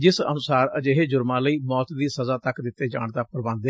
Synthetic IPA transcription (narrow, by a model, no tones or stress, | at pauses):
d͡ʒɪsə̰nʊsaːɾəd͡ʒeːɦeːd͡ʒʊɾmãːləiːmɔːt̪d̪iːsəzaːt̪əkd̪ɪt̪ːeːd͡ʒa̰ːɳd̪aːpəɾbãːnd̪ɛ